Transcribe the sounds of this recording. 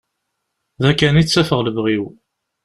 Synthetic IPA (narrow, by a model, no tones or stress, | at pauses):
ðækːænit͡sːæfəʁləvʁiw